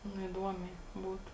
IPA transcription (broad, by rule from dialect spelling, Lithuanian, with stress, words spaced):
ˈnʊ ɪˈduɔmʲɛɪ ˈbuːtʊ